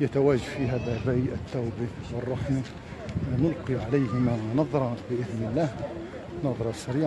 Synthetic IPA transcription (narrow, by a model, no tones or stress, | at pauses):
jət̪æwæʒafiɦæðæbæjʔət̪ːæwbiwərˤːɑħmi | nʊlqiʕalæjhɪmænɑðˤɾˤɑbəʔɪðnəlːæːh | nɑðˤɾˤɑsæɾiʕ